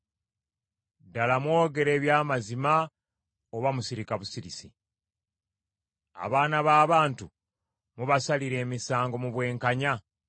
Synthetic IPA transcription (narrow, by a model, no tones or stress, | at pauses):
dalamwo̞ːɡe̞ɾe̞ːβjaːmazima | oβamusiɾikaβusiɾisi | a̰βaːnaβaːβaːntu | muβasaliɾe̞ːmisaːŋɡo̞muβwe̞ːŋkaɲa